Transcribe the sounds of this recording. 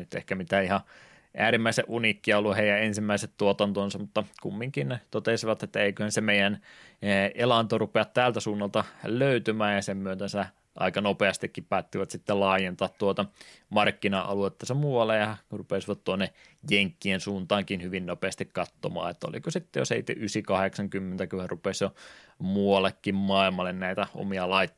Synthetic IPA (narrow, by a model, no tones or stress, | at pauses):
nyt̪ḛhkæmit̪æihɑ | ʔæːɾimːæiseʔunikːiɑolːuheijæensimːæiset̪t̪uot̪ɑnt̪onsɑmut̪ːɑkṵmːiŋkinnt̪ot̪esiʋɑt̪et̪ːæeikøhænsemeijæn | elɑnt̪orupeɑt̪t̪æːlt̪æsuːnːɑlt̪ɑløyt̪ymæːjɑsemmyøt̪ensæ | ʔɑ̰ikɑnopeɑst̪ikːippæːt̪ːiʋɑt̪sit̪ːelɑːjent̪ɑːt̪tuot̪ɑmɑrkːinɑʔɑ̰luet̪ːæsemuːɑlːejɑkurupesiʋɑt̪t̪uonːe | jeŋkːiensuːnt̪ɑːŋkinhyʋinnopeɑst̪ikkɑt̪ːo̰mɑ̰ːet̪ːæo̰lḭkosit̪ːejo̰seit̪ːḛʔysikɑheksɑŋkymːent̪ækyhærupesjomuɑlːˑekːimmɑilmɑlːennæit̪æo̰miɑlɑit̪ː